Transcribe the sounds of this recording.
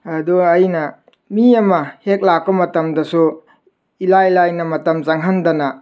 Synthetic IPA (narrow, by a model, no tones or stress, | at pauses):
ɐduɐjnɐ | miɐmɐhek̚lak̚pɐmɐtɐmdɐsu | ilajilajnɐmɐtɐmzaŋɦɐndɐnɐ